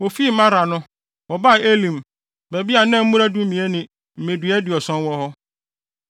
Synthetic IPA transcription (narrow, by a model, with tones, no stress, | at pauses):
wɔ˨fi˦mã˦ɾa˨nʊ̃˦ | wɔ˨ba˦˨e˦lĩ˨m | bæ˨bi˦a˨˦nɛ̃˦m̩˦ũ˦ɾa˦du˦mĩ˨e˦nɪ̃˨ | m̩˨mẽ˨dɥɛ˦dɪ˨ɔ˨sɔ̃˦nwɔ˦hɔ˦